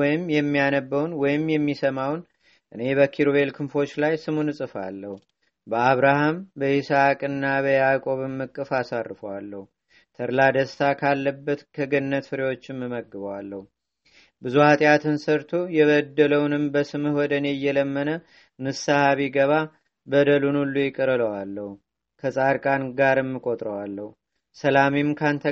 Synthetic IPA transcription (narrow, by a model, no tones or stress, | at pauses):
wɔjɪmjɛmːijanəbːəwnwɔjɪmjɛmːisəmawn | ʔɨne̞bəkʰiɾoβe̞lkʰɨmfo̞t͡ʃːlajsɨmunɨsʼɨfa̰lːəhu | bəaβɾahambəʔɪsakʼɨnːaβəjakʼo̞βɨmːɨkʼːɨfasarːɨfəwalːəhu | t̪ʰəɾlad̪əst̪ʰakʰalːəbːət̪kʰəɡɨnnːət̪fɨɾewo̞t͡ʃːɪmːɨməɡːɨβəwalːəhu | bɨzuhat̪ʼjat̪ʰɨnsəɾt̪ʰojɛβəd̪ːələwnɨmbəsɨmɨhwɔd̪ənejːɛləmːənə | mɨsahaβiɡəβa | bəd̪əlunulːujɪkʼəɾɨləwalːəhu | kʰəsʼaɾkʼanɡaɾɨmːɨkʼo̞t̪ʼɾəwalːəhu | səlamimkʰant̪ʰə